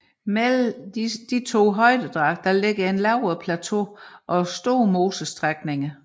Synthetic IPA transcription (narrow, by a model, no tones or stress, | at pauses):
mel̩d̥it͡sʰo̝̰ːɦɒ̽ɪd̥əd̥ʁɑ̈ɡ̥̚d̥ɑle̝ɡ̥ɐe̝nlɑ̈ʊ̰ɐpʰlæt͡sʰo̝̰ʔɒ̽sd̥o̰ːmo̝ːsəsd̥ʁaɡ̥ne̝ŋə